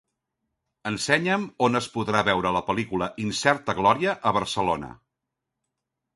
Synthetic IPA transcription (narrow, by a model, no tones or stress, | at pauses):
ənsɛɲəmonəspuðɾaβɛwɾələpəlikuləʔinsɛrt̪əɣlɔɾiəʔəβəɾsəlonə̰